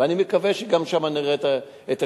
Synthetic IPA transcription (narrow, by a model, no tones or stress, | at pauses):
animekaveʃeɡamʃamaniʁet̪a | et̪a